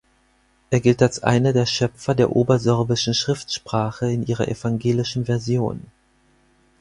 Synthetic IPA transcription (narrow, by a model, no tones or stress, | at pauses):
ʔeːɐɡɪltalsʔa̰ɪnɐdeːɐʃœpp͡fɐdeːɐʔoːbɐzɔɐbɪʃn̩ʃʁ̥ɪftʃpʁ̥aːχəɪnʔiːʁɐ̰ʔɛ̰faŋɡeːlɪʃn̩vɛɐzjo̰ːn